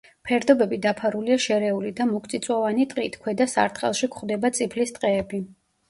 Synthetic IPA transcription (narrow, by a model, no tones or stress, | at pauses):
pʰɛɾd̪ɔbɛbid̪apʰaɾuliaʃɛɾɛulid̪amukʰt̪sʼit̪sʼwɔvanit̪ʼqʼḭt̪ʰkʰwɛd̪asa̰ɾt̪χʼɛ̰lˠʃikʰχd̪ɛbat̪sʼipʰlist̪ʼqʼɛːbi